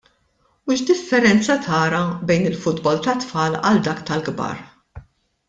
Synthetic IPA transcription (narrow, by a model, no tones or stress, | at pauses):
uʃd̪ɪfːɛɾɛnt͡sɐt̪ʰɐːɾɐbɛjnɪlfʊd̪bɔlt̪ɐt̪fɐːlɐ̰ld̪ɐːkt̪ɐlɡbɐ̰ːɾ